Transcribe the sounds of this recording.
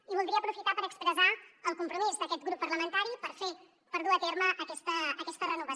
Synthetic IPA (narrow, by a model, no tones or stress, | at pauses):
iβulˠiəpɾufit̪apəɾəkspɾəzaəlˠkumpɾumizðəkɛt̪̚ɡɾupːəɾləmənt̪aɾipəɾfe | pəɾðuət̪eɾməʔːkɛst̪əːkɛst̪ərənuβə